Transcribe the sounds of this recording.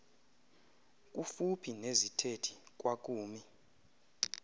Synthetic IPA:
k̬ʼufupʰinezitʰetʰi̥k̬ʼwak̬ʼuːmi

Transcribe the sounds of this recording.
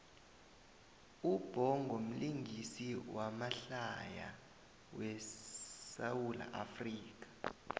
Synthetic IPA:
ub̥ʱɔŋʱom̩liŋɡʱisiwamaɬaja̰ | wɛ | sawwula̰ʔafriːk̬ḁ

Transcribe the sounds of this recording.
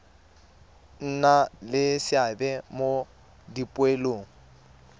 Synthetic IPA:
n̩nalɪsɪabɛmo | dipʼweloːŋ̩

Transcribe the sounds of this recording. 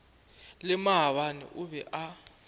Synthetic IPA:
lɛmaɦawanɛ̰ʔuɓɛʔa

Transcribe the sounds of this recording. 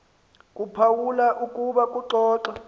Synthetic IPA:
kʼupʰawulaʔukʼuɓakʼuǁɔːǁa

